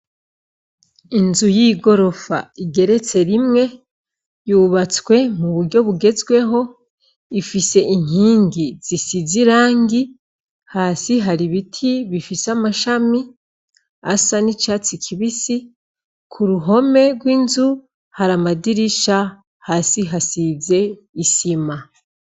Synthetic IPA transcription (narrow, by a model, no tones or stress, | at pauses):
inzujiɡo̞ɾo̞fa̰iɡe̞ɾe̞t͡se̞ɾimŋe̞ | juːβat͡swe̞muβuɾɟo̞βuɡe̞zɡwe̞ɦo̞ | ifise̞ʔiŋ̥hiːŋɡiz̥isiziɾaːŋɡi | haːsiɦaɾiβitʰiβifisamaʃami | a̰sanit͡ʃat͡sikʰiβisi | kʰuɾuɦo̞me̞ɡwiːnzu | haɾamadiɾiʃa | haːsiɦasize̞ | isima